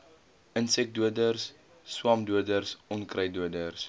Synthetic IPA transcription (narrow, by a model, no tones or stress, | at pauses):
ənsɛk̚duədərs | swɑːmduədərsɔnkrəjduədərs